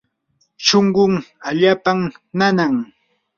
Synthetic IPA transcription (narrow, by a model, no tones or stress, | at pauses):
ʃoŋɢʊŋaʎaːpamnanaŋ